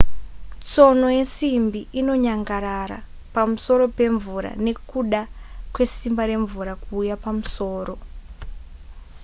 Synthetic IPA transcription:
t͡so̞nojesimbiʔino̞ɲaŋɡaɾaɾa̰ | pamuso̞ɾo̞pe̞ɱvuɾa̰ne̞kuɗakwe̞simbaɾe̞ɱvuɾakuːjapamuso̞ːɾo̞

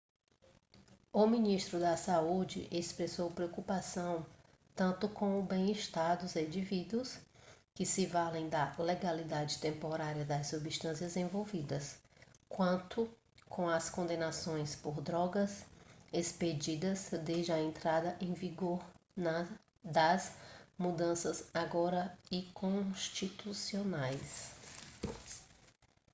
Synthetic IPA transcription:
ʊmĩniʃt̪ɾʊd̪ɐsaud͡ʒɪ̰ʔespɾesowpɾeokupasɐ̃w̃ | t̪ɐ̃nt̪ʊkõwʊbẽj̃iʃt̪aɾd̪ʊzẽd͡ʒivid̪uʊs | kɪsɪvalẽj̃d̪ɐleɡalid̪ad͡ʒɪt̪ẽmpoɾaɾiɐd̪ɐssubiʃt̪ɐ̃siɐzẽvowvid̪ɐskwɐ̃nt̪ʊ | kʰõw̃ɐskõnd̪ẽnasõj̃spoɾd̪ɾɔɡɐzesped͡ʒid̪ɐzd̪ed͡ʒɪɐẽnt̪ɾad̪ɐʔẽj̃viɡoɾnɐ | d̪ɐzmud̪ɐ̃sɐzaɡɔɾɐikõʃt͡ʃit̪usionajs

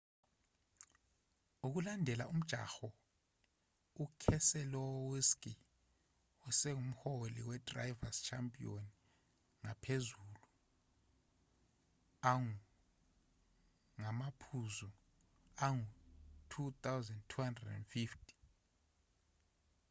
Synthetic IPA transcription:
uk̬ulandʱɛlaum̩d̥ʒ̥ʱa̰xɔ | ukʰɛsɛlɔwiskʼi | ɔsɛŋum̩holḭwɛdra̰jvazt͡ʃʰampʼion | ŋapʰezulu | aŋu | ŋamapʰuzu | aŋutʰut̪ʰʼawzɛndtʰuhandrɛdɛnfiftʰʼi̥

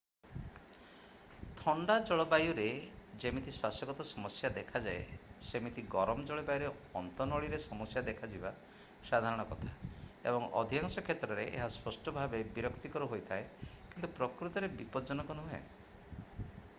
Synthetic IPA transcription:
t̪ʰɔɳɖad͡ʒɔɭɔbajuɾed͡ʒemit̪ʰiswasɔɡɔt̪ɔsɔmɔsjad̪ekʰad͡ʒaesemit̪ʰiɡɔɾɔmɔd͡ʒɔɭɔbajuɾeɔnt̪ɔnɔɭiɾesɔmɔsjad̪ekʰad͡ʒiba | sad̪ʱaɾɔɽ̃ɔkɔt̪ʰaḛbɔŋɔ̰d̪ʱiaŋsɔkʰet̪ɾɔɾeʔḛɦaspɔsʈɔbʱabebiɾɔkt̪ikɔɾuɦojt̪ʰaekint̪upɾɔkɾut̪ɔɾebipɔd͡ʒɔnɔkɔnuɦuḛ

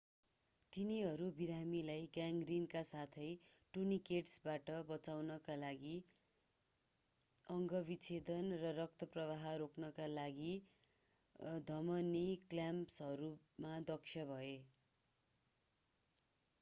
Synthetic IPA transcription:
t̪iniɦʌɾubiɾamilajɡaŋɡrinkasat̪ʰʌjʈunikeʈsbaʈʌbʌt͡sawnʌkalaɡi | ʌŋɡʌbit͡sʰed̪ʌnrʌrʌk̚t̪ʌprʌβaɦʌɾokʰnʌkalaɡi | d̪ʱʌmʌniklampsɦʌɾu | mad̪ʌksʰjʌbʱʌe

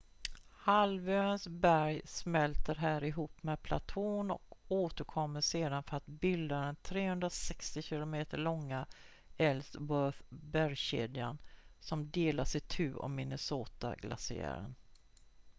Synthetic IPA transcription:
halvøːɾənsbæɾjsmɛlt̪əɾɦæːɾɪɦuːpːmɛːpʰla̰t̪ʰoːnɔ̰koːt̪əɾkʰɔmːəʂeːd̪anfœɾat̪bɪld̪ad̪ɛnt̪ʰɾeːhɵnd̪ɾasɛkst̪ɪɕɪlʊmeːt̪əɭɔŋːa | ɛlst̪wœθbæɾjɕḛːd̪ɪa̰nsɔmd̪eːlaʂɪt̪ʰʉ̟ːɔ̰mːɪnəsoːt̪a̰ɡlʔa̰sɪ̰æ̰ɾə̰n

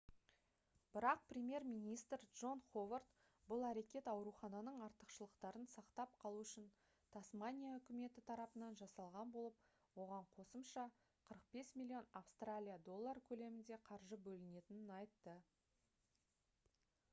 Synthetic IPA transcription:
b̥ɪɾɑq̚prʲemʲje̞ɾmʲijnijst̪ɾdʒ̥o̞nχo̞vart̪ | bʊlˠæɾe̞kʲe̞t̪ɑwɾuχɑnɑnəɴɑɾt̪ə̥qʃəlˠəqt̪ɑɾənsɑqt̪ɑp̚qʰɑlˠuʏʃɪn | t̪ʰasmanʲijaʏkʲɪme̞t̪ɪt̪ʰɑɾɑpənɑnʒɑsɑlˠʁɑnbo̞lˠəp̚ | wo̞ʁɑɴqʰo̞səmʃɑ | qʰəɾəq̚be̞smʲilʲːio̞nafst̪ralʲijad̪o̞lˠːaɾkʲʰɵle̞mɪnd̪e̞qʰɑɾʒəbɵlɪne̞t̪ɪnɪnɑjt̪ːə

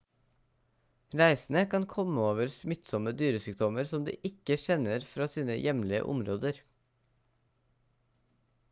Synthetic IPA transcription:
ɾæɪsn̩əkʰɑnkʰɔməoːʋəɾsmʏt̪sɔməd̪yːɾəsʏːk̚t̪ʰɔməɾsɔmd̪ḭːʔɪkəʃɛnəɾfɾɑːsiːnə̰jɛmlɪə̰ʔʊ̰mɾoːd̪əɾ

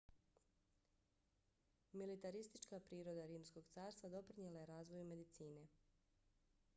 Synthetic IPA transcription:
milit̪aɾist̪it͡ʃkapɾiːɾo̞d̪aɾiːmsko̞ɡt̪saːɾst̪ʋad̪o̞pɾiɲelaje̞ɾaːzʋo̞jume̞d̪it̪siːne̞

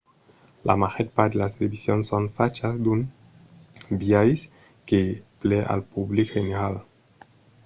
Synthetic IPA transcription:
lʔa̰maxeɾpaɾd̪elast̪elebisjonsonfat͡ʃazd̪un | biajs | keplɛʔa̰lpublikheneɾal

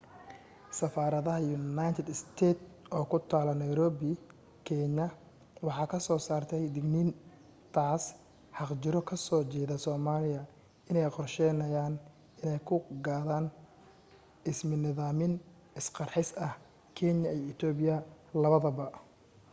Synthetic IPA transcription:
sɐfaːɾɐðɐɦɐjʊnajt̪ʰɛd̪ɪst̪ʰɛːt̪ | ʔɔːkʰʊt̪ʰaːlɐnɐjɾɔːbɪ | kʰɛɲɐ | wɑħɑːkʰɐsɔːsaːrt̪ʰɛjd̪ɪɡniːn | t̪ʰaːs | ħɑqt͡ʃɪɾɔkʰɐsɔːt͡ʃɛːðɐsɔːmaːlɪjɐ | ɪnɛjqɔrʃɛjnɐjaːn | ɪnɛjkʰʊɡaːðaːn | ɪsmɪnɪðaːmɪn | ɪsqɑrħɪsɐh | kʰɛɲɐijɔɪt̪ʰɔːbɪjɐlɐβɐðɐβɐ

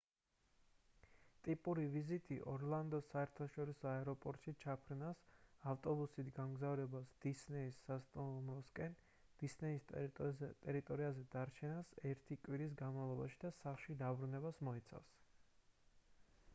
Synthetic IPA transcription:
t̪ʼipʼuɾivizit̪ʼḭʔɔɾlˠand̪ɔsaɛɾt̪ʰaʃɔɾisɔaɛɾɔpʼɔɾt̪ʼʃit͡ʃʰapʰɾnasaft̪ʼɔbusit̪ʰɡamɡzavɾɛbasd̪̥isnɛisːast̪ʼɔnlˠumɾɔskʼɛn | d̪̥isnɛis | t̪ʼɛɾit̪ʼɔɾiazɛd̪aɾt͡ʃʰɛnasɛɾt̪ʰikʼwiɾis̬ɡanmavlˠɔbaʃid̪asaχʃid̪abɾunɛbasmɔit̪sʰa̰fs

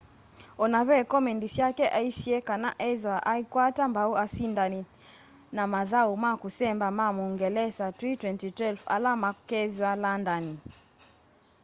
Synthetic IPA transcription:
ɔnaβɛkɔmɛndisjakɛʔaisiɛkanaʔɛðwaʔaikwatambauasindani | namaðaumakusɛmbamamuŋɡɛlɛsatwitwɛntitwɛlfa̰lamakɛðwalandani

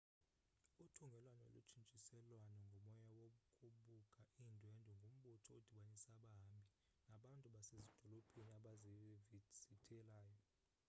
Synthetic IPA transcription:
utʰuŋɡʱɛlwano̰lut͡ʃʰʼint͡ʃʼisɛlwanɔŋɡʱɔmɔjawoɓukʰʼuɓukʼaʔiːndʱwɛndʱɔŋɡʱom̩ɓutʰɔod̥ʱiɓanisaɓami | naɓantʼuɓasezid̥ʱɔlopʰʼiniaɓazivid̥sitʰɛlaːjɔ

